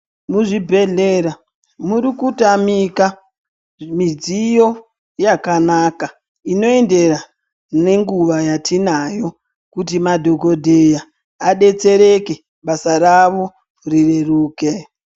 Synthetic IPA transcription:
muʐibʱe̞ɮeɾa | muɾikutamika | mid͡zijo̞ | jakanaka | ino̞ende̞ra | ne̞ŋɡuʋajatʰinajo̞ | kutimadʱo̞ko̞dʱejaː | ɗe̞t͡se̞ɾe̞ke | ɓasaɾaʋo̞ | rireruːke

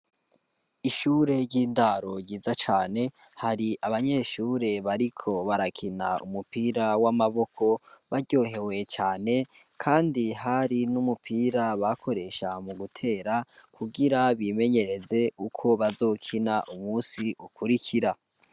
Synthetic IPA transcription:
iʃuːɾe̞ɟiːndaɾo̞ɟiːzat͡ʃaːne̞ | haɾiʔaβaɲe̞ːʃuːɾe̞βaɾikʰo̞βaɾakʰinaṵmupiɾawamaβo̞kʰo̞βaɾɟo̞ːɦe̞we̞t͡ʃaːne̞kʰaːndiɦaɾinumupʰiːɾaβakʰo̞ɾe̞ʃamuɡutʰe̞ːɾakʰuɡiɾaβime̞ɲe̞ɾe̞ze̞ukʰo̞βazo̞ːkʰinaʔumuːsiʔukʰuɾikʰiɾa

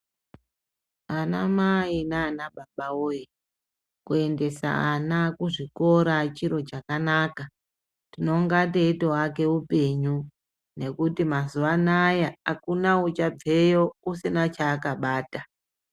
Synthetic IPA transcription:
anamainaːnaɓaɓaoje | kue̞nde̞sa̰anakuʐiko̞ɾat͡ʃiɾo̞t͡ʃakanaka | tino̞ŋɡateitowake̞upe̞ɲu | ne̞kutimazuʋanajaakunaut͡ʃab͡ve̞jousinat͡ʃaːkaɓaːta

